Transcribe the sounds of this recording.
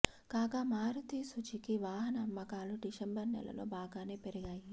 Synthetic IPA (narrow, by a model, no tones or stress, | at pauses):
kaːkaːmaːɾut̪isut͡ʃikiʋaːɦɐnɐːmːɐkaːluɖiʃɐmbɐɾnɛ̰lɐ̰lo̞̰ːbaːɡaːne̞ːpeɾiɡaːji